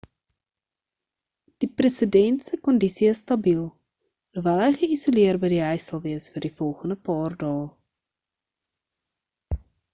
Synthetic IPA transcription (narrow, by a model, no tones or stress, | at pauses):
d̥iprəsədɛntsəkɔndisiəsːtɐbilˠ | duvælˠɦɛjχəisoliərbəjdiɦœjsɐlˠviəsfərdifɔlˠχəndəpɑːrdɑː